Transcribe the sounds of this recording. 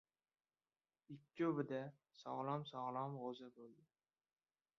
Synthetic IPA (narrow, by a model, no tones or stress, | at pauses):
ɪkʲʰːɵbɪd̪asɒ̰ʁlˠɒmsɒʁlˠɒmʁozabolˠd̪ɪ